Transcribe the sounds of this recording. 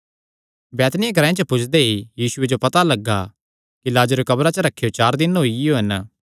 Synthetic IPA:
bɛːt̪nɪjãɡʱɐɾãẽt͡ʃəpʊt͡ʃʰd̪eijiːsʊed͡ʒopɐt̪alɐɡːa | kilaːd͡ʒɾekɐbɾat͡ʃəɾɐkʰːejot͡ʃaːɾd̪ɪnɦoːioɦɐn

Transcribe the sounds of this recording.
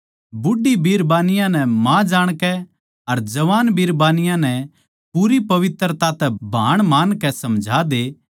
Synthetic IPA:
bʊɖibʱiːɾbaːnɪjãnɛmãd͡ʒaːɽ̃kɛ | ɐɾd͡ʒɐʋaːnbʱiːɾbaːnɪjãnɛ | puːɾipɐʋɪt̪ɾt̪at̪ɛbʱa̰ːɽ̃maːnkɛsɐmd͡ʒʱad̪eː

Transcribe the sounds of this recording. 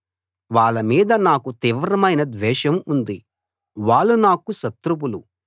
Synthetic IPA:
ʋaːɭːɐmiːd̪ɐnaːkut̪iːʋɾɐmɐjnɐd̪ʋɛːʃɐmund̪i | ʋaːɭːunaːkuʃɐt̪ɾup̬ulu

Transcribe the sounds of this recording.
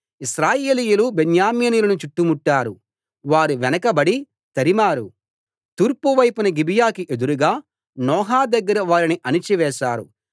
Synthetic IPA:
isɾaːjeːlijulubenjaːmiːniːjlɐnut͡ʃuʈːumuʈːaːɾu | ʋaːɾuʋɛnɐkɐbɐɽi | t̪ɐɾimaːɾu | t̪uːɾpuʋɐjpunɐɡibijaːkiʔe̞d̪uɾuɡaː | nɔːɦaːd̪ɐɡːɐɾɐʋaːɾiniʔɐnit͡ʃiʋɛːʃaːɾṵ

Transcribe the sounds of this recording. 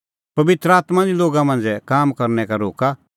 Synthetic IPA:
pɐʋɪt̪ɾaːt̪mãdiloːɡamɐ̃nd͡zɛkaːmkɐɾnɛkaɾoːka

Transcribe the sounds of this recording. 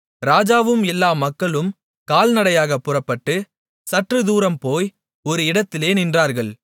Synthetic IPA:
ɾaːd͡ʒaːʋɯmɛlːaːmɐkːɐɭɯm | kaːlnɐɽɐjaːɣɐpːɯrɐpːɐʈːɯ | sɐʈrɯðuːɾɐmpoːj | ɔɾɯɪɽɐt̪ːɪleːnɪndraːɾɣɐɭ

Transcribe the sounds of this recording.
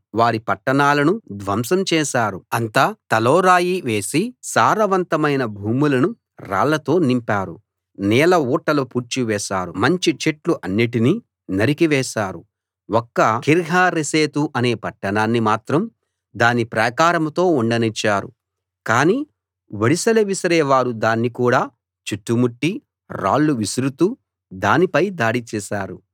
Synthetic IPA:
ʋaːɾipɐʈːɐɳaːlɐnud̪ʋɐmsɐmt͡ʃɛːʃaːɾuɐnt̪aːt̪ɐlɔːɾaːjiʋe̞ːsisaːɾɐʋɐnt̪ɐmɐjnɐbʱuːmulɐnu | ɾa̰ːlɐt̪o̞ːnimpaːɾu | nɛːlɐuːʈːɐlupuːɾt͡ʃiʋɛːʃaːɾṵmɐɲt͡ʃit͡ʃeʈluʔɐnːiʈini | nɐɾikiʋɛːʃaːɾu | wɔkːɐkiɾɡʱaːɾeseːt̪uʔɐne̞ːpɐʈːɐnaːnːimaːt̪ɾɐm | d̪aːnipɾɐkaːɾɐmt̪o̞ːuɳɖɐnit͡ʃːaːɾṵ | kaːniː | ʋeɽisɐleʋisɐɾɛːʋaːɾud̪aːnːikuːɽaː | t͡ʃiʈːumuʈːi | ɾa̰ːɭːuʋisiɾut̪uː | d̪aːnipɐjd̪aːɽit͡ʃɛːʃaːɾu

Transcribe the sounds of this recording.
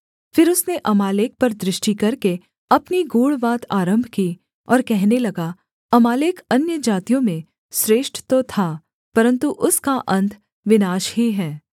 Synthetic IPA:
fɪɾʊsneʔɐmaːleːk̚pɐɾd̪ɾɪʃʈikɐɾke | ɐpniɡuːɭʋaːt̪ʰaːɾə̃mbʱkiː | ɔːɾkɛɦnelɐɡa | ɐmaːleːkɐnjəd͡ʒaːt̪ijõmẽ | sɾeːʃʈt̪ot̪ʰaː | pɐɾə̃nt̪uʔʊskaʔɐ̃nt̪ʰ | ʋɪnaːʃɦiɦɛː

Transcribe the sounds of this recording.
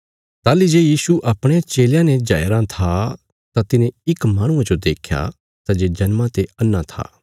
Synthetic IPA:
t̪aːlid͡ʒeːjiːsuʔɐpɽ̃eat͡ʃeːljãned͡ʒaːjɾãt̪ʰa | t̪at̪ɪnẽɪkmaːɽ̃ʊ̃ãd͡ʒod̪eːkʰja̰ | t̪ad͡ʒeːd͡ʒɐnmãt̪eɐnːãt̪ʰa̰ː

